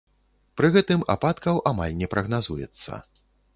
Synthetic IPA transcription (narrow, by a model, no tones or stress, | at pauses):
pɾɨɣɛt̪ɨma̰pat̪kɐwʔama̰lʲnʲɛpɾʔɐɣnazujɛ̰t̪sːɐ̰